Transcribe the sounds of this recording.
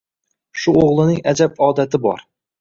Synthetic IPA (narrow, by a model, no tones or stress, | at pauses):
ʃuoʁlˠɨnɪŋæd͡ʒabɒːd̪æt̪ʰɪbɒ̰ɾ